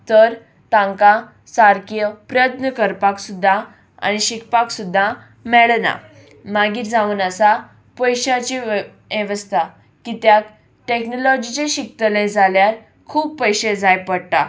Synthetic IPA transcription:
t̪əɾ | t̪ãŋka | saɾkjəpɾəjət̪nəkəɾpaksud̪ʱːa | a̰ñiɕikʰpaksud̪ʱːa | mɛɭna̰ | maɡiːɾd͡zauːnəsa | pəjɕat͡ɕi | eʋəst̪ʰa | kit̪jak | ʈeknɔlɔd͡ʑit͡ɕeɕik̚t̪əled͡zʱaljaɾ | kʰuːb̚pəjɕed͡zajpəɽt̪a̰

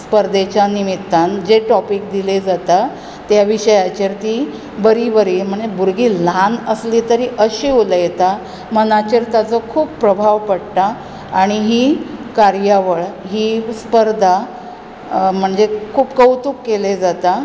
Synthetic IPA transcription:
spəɾd̪ʱet͡ɕjanimit̪ːand͡ʑeʈɔpikd̪iled͡zat̪a | t̪jaʋiɕəjat͡ɕiɾt̪iː | bəɾibəɾiːm̤əɳd͡zebuɾɡiːlanəsliːt̪əɾiːʔəɕiuləjet̪a | mənat͡ɕiɾt̪jat͡sɔkʰuːppːɾəbʱaʋpəɽʈ̪aː | ɽ̃iɦiːkaɾjaʋəɭɦiːspəɾd̪ʱa | m̤əɳd͡zekʰuːpkəwt̪uːkːeled͡zat̪a

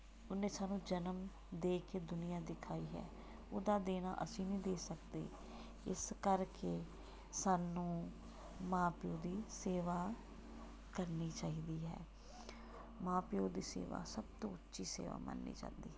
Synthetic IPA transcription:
ʊnẽːsaːnũːd͡ʒənəm | d̪eːkeːd̪ʊnɪjaːd̪ɪkʰaːiːɦɛ̰ː | oːd̪aːd̪eːna̰ːʔəsĩːnĩːd̪eːsəkd̪ḛː | ɪskəɾkeː | saːnːũː | mãːpɪjoːd̪iːseːʋaː | kəɾniːt͡ʃaːɦiːd̪iːɦɛ̰ː | mãːpjoːd̪iːsḛːʋa̰ːsəbt̪õ̰ːʊtːʃiːsḛːʋa̰ːmə̰nːḭːt͡ʃã̰ːnd̪iːɛː

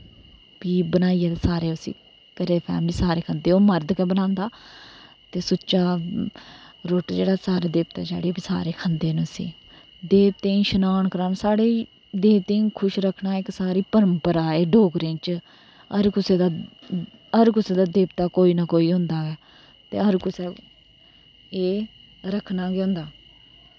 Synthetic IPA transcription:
piːbənaːiɛt̪esaːɾeːəsḭ̃ː | kəɾeːpʰɛ̰ːmliːsaːɾeːkʰənd̪eːoːməɾd̪kɛːbənãːnd̪aː | t̪eːsʊt͡ʃaː | ɾoːʈd͡ʒeːɽaːsaːɾaːd̪eːpt̪a̰ːd͡ʒa̰ːɽeːbisa̰ːɾeːkʰənd̪eːnũəsḭ̃ː | d̪eːp̚t̪ẽːĩːʃənaːɳkəɾaːnsaːɽeː | d̪eːpt̪ẽːkʰʊʃɾəkʰnaːɪksaːɾiːpəɾəmpəɾaːeːɖoːɡɾẽːt͡ʃ | əɾkʊseːd̪aː | əɾkʊseːd̪aːd̪eːbt̪aːkoːiːnaːkoːiːɦʊ̃nd̪aːɛː | t̪ḛːɦəɾkʊsɛː | eː | ɾəkʰnaːɡeʊ̃ːnd̪aː

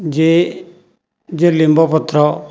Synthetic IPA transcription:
d͡ʒe | d͡ʒelimbɔpʊt̪ɾɔ

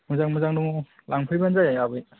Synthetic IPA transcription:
mɯzaŋmɯzaŋduŋ | lʔaŋpʰɯjbanzajajabɯj

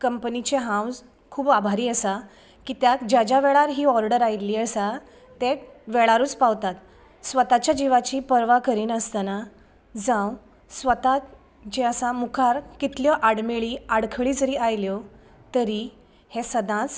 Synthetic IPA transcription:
kəmpənit͡ɕeɦãwz | kʰuːbabʱaɾiːəsa | kiːt̪jat̪d͡ʑad͡ʑjaʋɛɭaɾɦiːɔɾɖəɾajliːəsa | t̪eʋɛɭaɾuːt͡spaʋt̪at̪ | sʋət̪at͡ɕjad͡ʑiʋat͡ɕiːpəɾʋakəɾiːnəst̪ana | d͡zãw | sʋət̪at̪ | d͡ʑeəsãmukʰaɾkit̪ljɔʔaɽmeɭiːaɽkʰɭiːd͡zəɾiːʔajljɔ | t̪əɾi | hesəd̪ʱãt͡s

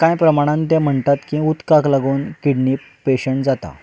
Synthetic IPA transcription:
kãjpɾəmaɽ̃ãnt̪jãm̤əɳt̪at̪kĩut̪kaklaɡoːnkiɽniːp | peɕəɳʈd͡zat̪a̰

